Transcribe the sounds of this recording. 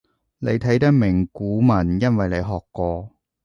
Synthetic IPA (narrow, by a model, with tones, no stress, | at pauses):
ne˨˧jt̪ʰɐ˨˥jt̪̬ɐ˥k̚mɪ˨˩ŋkuː˨˥mɐ˨˩njɐ˥nwɐ˨jle˨˧jɦɔː˨˩kːɔː˧